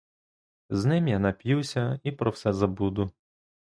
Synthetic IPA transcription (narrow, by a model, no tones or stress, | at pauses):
znɪmjanɐpʲjuwsʲɐipɾɔwsɛzɐbud̪ʊ